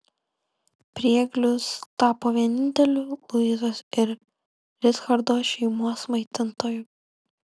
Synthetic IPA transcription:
pʲɾʲiɛɡlʲʊst̪ɑːpoːʋʲiɛnʲɪnʲt̪ʲɛlʲʊlˠʊɪzosɪɾ | lʲɪsxɐɾd̪oːʃʲɛɪmuɔsmɐɪt̪ʲɪnt̪oːju

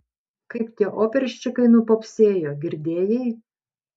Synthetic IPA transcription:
kɐɪpt̪ʲiɛʔoːpʲɛɾʲʃʲt͡ʃʲʊkɐɪnupoːpʲsʲeːjoːɡʲɪɾʲd̪ʲeːjɛɪ

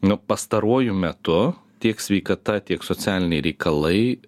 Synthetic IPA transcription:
nʊpɐst̪ɐɾuɔjʊmʲɛt̪ʊt̪ʲiɛksʲʋʲɛɪkɐt̪ɐt̪ʲiɛksoːt͡s̪ʲæːlʲɪnʲɛɪɾʲɛɪkʰɐlˠɐɪ

